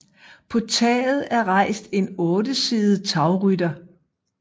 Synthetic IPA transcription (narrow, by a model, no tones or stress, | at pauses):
pʰɒ̽t͡sʰɛ̰ːð̩ˠæɐʁɑ̈ɪ̰sd̥e̝nɔ̽ːdəsiːð̩ˠt͡sʰɑ̈ʊʁydɐ